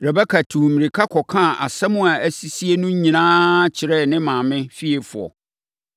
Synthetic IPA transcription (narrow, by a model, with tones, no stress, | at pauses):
ɾɛ˨bɛ˦kʰa˨tʰũ˨mi˨ɾi˨kʰa˦kʰɔ˨kʰã˦˨ʔa̰˨sɛ˦mʊ̃˦a˨æ˨si˦si˦e˦nʊ̃˦ɲ˦ɲĩ˨nãː˦t͡ɕʰɪ˨ɾɛ˦˨nɪ̃˦mãː˨mɪ̃˦fi˦e˨fʊ˨ɔ̰˨